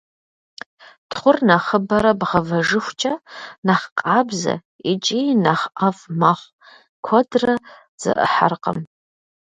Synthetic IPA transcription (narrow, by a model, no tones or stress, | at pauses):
tχʷʊrnɐχəbɐɾɐbʁɐvɐʐɨxʷt͡ʃʼɐnaχqʼaːbzɐ̰ | it͡ʃʼinɐχafmaχʷ | kʷʰɔdrɐ | z̥ɨ̰ʔə̰ħa̰rqʼə̰m